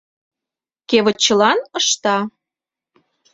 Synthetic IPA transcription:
keβə̆t͡ɕːəlɑnə̆ʃt̪ɑ

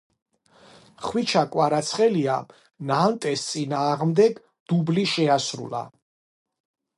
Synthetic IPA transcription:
χwit͡ʃʰakʼwaɾat̪sʰχɛlia̰ | nant̪ʼɛst̪sʼinaːʁmd̪ɛɡ | d̪̥ubliʃɛasɾṵla̰

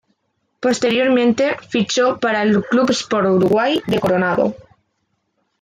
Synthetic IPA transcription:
po̞st̪e̞ɾjo̞ɾmẽnt̪e̞fit͡ʃopaɾaelklupspoɾuɾuɣwajðe̞ko̞ɾonaðo̰

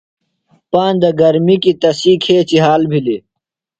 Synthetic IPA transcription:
paːnd̪ɐɡɐɾmikit̪ɐsiːkʰeːt͡ɕiɦaːlbʱili

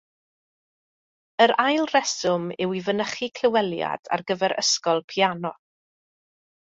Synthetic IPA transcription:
əɾajlˠrɛsʊmɪwivənəχikʰl̥ɪwɛlˠja̰d̥a̰rɡəvɛɾʔə̰skɔlˠpʰianɔ

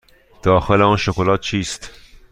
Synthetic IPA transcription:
d̪̥ɒːxe̞leɒːnʃokolɒːt̪̚t͡ʃʰiːst̪

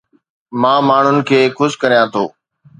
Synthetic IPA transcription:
mãːmaːɳ̤ʊnɪ̆kʰeːxʊskəɾijãːt̪ʰo̰ː

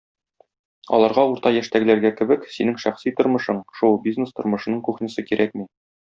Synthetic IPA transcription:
ɒ̰lˠɑɾʁɑuɾt̪ɑjæʃt̪æɡɘ̆læɾɡækɘ̆bɘksinɘŋʃæχsit̪ŏɾmɤ̆ʃɤɴʃulˠbʲiznest̪ŏɾmɤ̆ʃɤ̆nɤɴkʉχnɘ̆sɤkiɾʔækmi

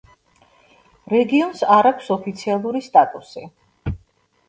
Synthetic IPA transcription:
ɾɛɡiɔnsaɾakʷʰsɔpʰit̪sʰialˠuɾist̪ʼat̪ʼusi

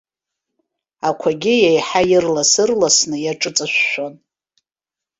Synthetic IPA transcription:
akʷʰaɡʲɪjejħajɪrlasɨrlasnɨjaʈ͡ʂʼɨt͡sʼaʃʷːon

